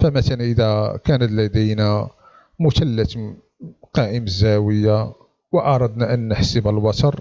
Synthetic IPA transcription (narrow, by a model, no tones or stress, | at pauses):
fæmæt̪ælʔəd̪ækænət̪læd̪ijnæ | mʊt̪ælːət̪ | qɑʔəmzæwəjːa | wəʔɑɾˤɑd̪næʔənːəħsəbəlbɑt̪ɑɾˤ